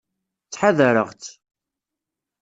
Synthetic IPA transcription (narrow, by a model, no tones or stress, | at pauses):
t͡sːħaðəɾə̰ʁt͡s̪